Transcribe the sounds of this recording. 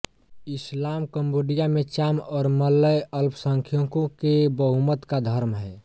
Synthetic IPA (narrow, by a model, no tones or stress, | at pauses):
islamkəmboɖijamet͡ʃamɔːɾməlːəjəlpsəŋkʰjokõkebəɦumət̪kad̪ʱəɾmɦɛ